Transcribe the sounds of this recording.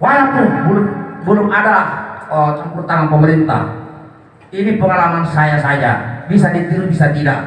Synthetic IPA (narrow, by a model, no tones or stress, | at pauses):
walawpʊnbulʊmbəlʊmadaət͡ʃəmpurt̪aŋanpəməɾint̪a̰h | inipəŋalamansajasad͡ʒa̰bisadit̪iŋbisat̪ida̰ʔ